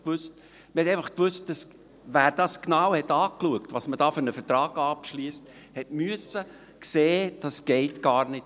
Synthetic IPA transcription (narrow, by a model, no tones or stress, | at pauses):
kʋʏst | məɾhɛtɛɪfɑχkʋʉst̚d̥ɑs | væːɾd̥ɑːsknɑwhɛtɑːkluəktʋɑsmədɑːfʏɾnəfətɾɑːɡ̥ɑːpʃliəst | hɛtmyəsə | kseːd̥ɑsɡ̥ɛɪtɡ̥ɑːɾnɪt